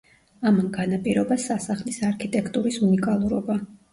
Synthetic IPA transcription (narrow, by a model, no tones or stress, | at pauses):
amamɡanapʼiɾɔbasasaχlisaɾkʰit̪ʼɛkʰt̪ʼuɾisunikʼalˠuɾɔba